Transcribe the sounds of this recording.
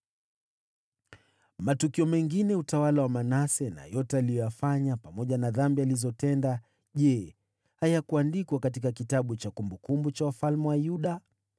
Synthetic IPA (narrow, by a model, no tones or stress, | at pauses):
matukiɔmɛŋɡinɛutawalawamanasɛna̰jɔtɛalijɔjafaɲapamɔʄanaðambializɔtɛnda | ʄɛ | hajakuandikwakatikakitaɓut͡ʃakumbukumbut͡ʃawafalmɛwajuɗa